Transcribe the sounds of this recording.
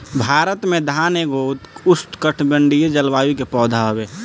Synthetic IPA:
bʱaːɾət̪mẽd̪ʱaːneɡot̪ʊst̪kəʈʰbəɳɖijed͡ʒəlʋaːjikepɔːd̪ʱaɦobeː

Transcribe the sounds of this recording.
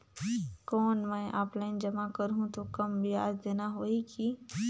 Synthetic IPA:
kɔːnmɛ̃ːʔaːplaːɪnd͡ʒɐmakɐɾɦũt̪okɐmbʱiaːd͡ʒd̪eːnaɦoːiki

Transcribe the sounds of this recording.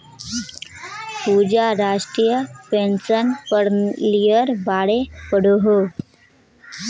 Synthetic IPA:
pud͡ʑaɾaʂʈɾijəpensənpəɽlijəɾbaɽepəɽoɦo

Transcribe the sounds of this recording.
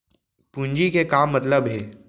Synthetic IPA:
pũɲd͡ʒikekaːmːɐt̪ləbɦeː

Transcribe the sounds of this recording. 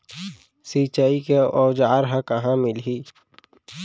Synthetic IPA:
siːt͡ʃaːikeɔːd͡ʒaːɾɦə̃kəɦãmɪlɦiː

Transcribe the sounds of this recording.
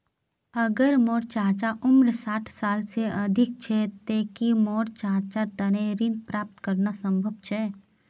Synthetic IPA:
əɡəɾmoːɽt͡ʃaːt͡ʃaʔʊmɾsaːʈʰsaːlseɐd̪ʱɪk̚t͡ʃʰɛt̪eːkimoːɾt͡ʃaːt͡ʃat̪ənẽɾinpɾaːp̚t̪kəɾnasə̃mbʱəbt͡ʃʰɛː

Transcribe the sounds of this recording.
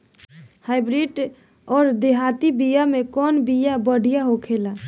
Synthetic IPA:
haɪbɾiɖ | ɔːɾd̪eɦat̪ibijamekɔnbijabəɽ̤ʱijaɦokʰela

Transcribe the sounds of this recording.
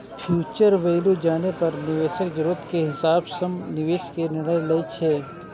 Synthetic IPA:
fʰjuːt͡ʃəɾʋeːlud͡ʒaːnepɐɾnɪʋeːʃəkd͡ʒɾuət̪keɦɪsaːbsɐmnɪʋeːʃkenɪɽəjlɐjt͡ʃʰeː

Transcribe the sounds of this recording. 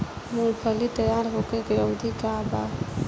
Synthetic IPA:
mulpʰəlit̪əjaɾɦokeɡɾəwd̪ʱikaba

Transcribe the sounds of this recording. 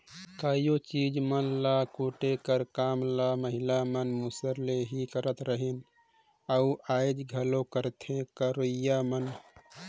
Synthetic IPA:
kaːjot͡ʃid͡ʒmənlakuːʈekəɾkaːmlaməɦilamənmusəɾleɦikəɾət̪ɾəɦin | auaːɪd͡ʒɡʱəlokəɾt̪ʰẽkəɾojamən

